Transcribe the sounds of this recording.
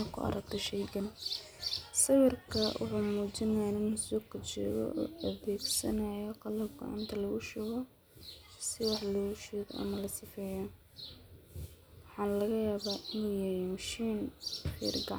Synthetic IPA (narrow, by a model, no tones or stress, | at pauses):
kʰʊ̰ɐ̰ɾɐk̚t̪ʰɛʃɛjɡɐn | sɐβɪrkʰɐwʔɑ̰ħʊːmuːt͡ʃɪnɐnɪnɐsɔːkʰɐt͡ʃɔ̰ːɣɔ̰ʔːʔɐðɛːɡsɐnɐjɔqɑlɐbɡɔ̰ʕa̰ːnt̪ʰɐlɐɣʊʃʊːɣɔ | sɪwɑħlɔɣʊʃɛːɣɔʔɐ̰mɐlɐsɪfɛːjɔ | wɑħɑːnlɐɣɐjaːβaːʔɪnujɛɾɛmɐʃiːnfḭːrɡɑʕ